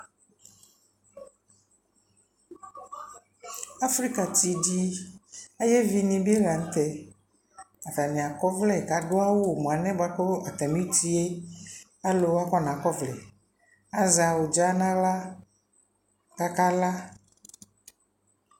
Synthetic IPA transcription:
a˦fɾi˦ka˨t̪i˨ɖi˦ | e˦jɛ˦vi˨nĩ˨bi˦e˦la˨ŋ̩˦t̪ɛ˦ | a˨fa˨nĩ˨a˨kɔ˦vlɛ˦˨ka˨ɖo˦a˦wo˦o˨mõ˨a˨nɛ̃˦bo˨a˦ko˦a˨t̪a˨mi˦t̪i˦e˦ | a˦lo˨wa˦kɔ˦nã˨kɔ˦vlɛ˨ | a˨za˨wo˨d͡ʒa˦nã˦la˦ | ka˦ka˦la˦

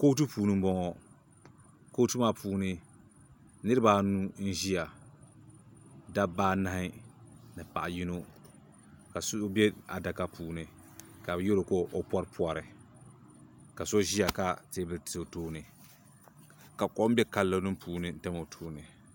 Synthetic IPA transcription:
ko˦t̬ɨ˦puː˨nɨ˦bɔ˦ŋɔ˦ | ko˦tɨ˦ma˦puː˨˦nɨ˦ | nɨ˦ɾɨ˦ba˨nu˦n̩˦ʒi˦ja˨ | da˦baː˦na˨hɪ˦nɨ˨pa̰˨ʔji˦no˦ | ka˨so˦bɛ˦a̰˨da˨ka˦puː˨nɨ˨ | ka˨bjo˦lo˨ko˦ʔo˦pɔ˦ɾpʰu˦a˨ɾɨ˨ | ka˨so˦ʒi˦ja˨ka˦te˦bɨ˨lto˨toː˦nɨ˨ | ka˨kɔ˦m˦bɛ˦ka˨lːo˨˦nɨ˦m˦pʰuː˨nɨ˨n̩˦ta˦mo˨tʰoː˦nɨ˨

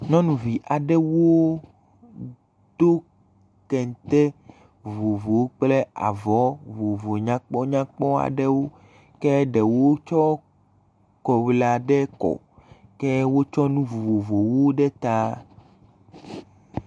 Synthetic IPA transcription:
nɔ̃˦nũ˨vi˨ʔa˨ɖɛ˦wo˦ | d̪̥o˦ | kɛ˨n˨t̪ɛ˦ | vo˨vo˨wk͡plɛ˦a̰˨vɔ˨˦vo˨vo˨ɲã˦k͡pɔ˦ɲã˦k͡pɔ˦a̰˨ɖɛ˦wo˦ | kɛ˦ɖɛ˨wo˦t͡ʃɔ˦ | kɔ˨wla˨ɖɛ˦kɔ̰˨ | kɛ˦wo˦t͡ʃɔ˦nũ˦vo˨vo˨vo˨wo˦ɖɛ˦t̪a˦

